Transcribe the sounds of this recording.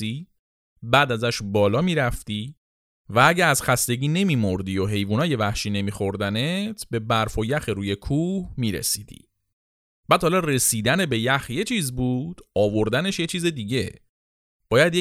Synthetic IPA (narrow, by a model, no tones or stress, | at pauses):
i | bæːd̪æzæʃbɒːlɒːmiːɾæft̪iː | vææɟææzxæst̪e̞ɟiːne̞miːmoɾd̪iːjo̞ɦe̞jvuːnɒːje̞væhʃiːne̞miːxo̞ɾd̪ænet̪ʰbe̞bæɾfojæxeɾuːje̞kʰuːhmiːɾḛsiːd̪ḭ | b̥æːd̪hɒlɒre̞siːd̪æne̞be̞jæxje̞t͡ʃʰiːzbuːd̪̥ɒːvo̞ɾd̪æne̞ʃje̞t͡ʃʰiːze̞d̪iːɟe̞ | b̥ɒːjæd̪je